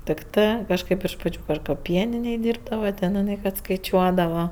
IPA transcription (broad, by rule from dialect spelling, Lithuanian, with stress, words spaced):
tʲɪkˈtɜ kɐʃˈkɜp ɪʃ ˈpɑːt͡ʃʲʊ ˈprɐt͡ʃ kɐt ˈpʲiɛnʲɪnʲeːj ˈdʲiːrbdɐʋɐ tʲɛn ɪˈnɜ kɐt skɐɪˈt͡ʃʲuɔdɐʋɐ